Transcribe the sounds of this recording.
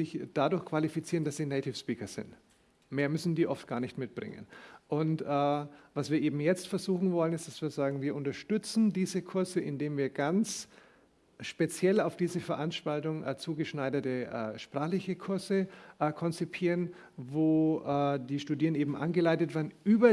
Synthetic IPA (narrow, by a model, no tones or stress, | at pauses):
ɪçd̥adʊɐçkv̥alifit͡siːʁəndasz̥iːneɪtʰɪfspiːkɐz̥ɪ̰nt | meːɐmʏsn̩diːʔɔftɡ̥aːɐnɪçtmɪt̚b̥ʁɪ̰ŋə̰nʔʊntʔɛːvasv̥iːɐʔeːbm̩jɛt͡stfɛɐzuːxn̩vɔlənɪstd̥asv̥iːɐzaːɡŋ̩viːɐʔʊntɐʃtʏt͡sn̩diːzəkʰʊɐzəɪ̰ndeːmviːɐɡant͡s | ʃpet͡sjɛlaʊfd̥iːzəfɛɐʔanʃtaltʊŋʔɛːt͡suːɡəʃnaɪdɐtəʔɛ̰ːʃpʁ̥aːχlɪçəkʰʊɐzəʔɛːkʰɔnt͡sipʰiːʁən | voːʔɛːdiːʃtuːdiːʁənʔeːbm̩ʔa̰nɡəlaɪtətv̥ɛːɐnʔyːbɐ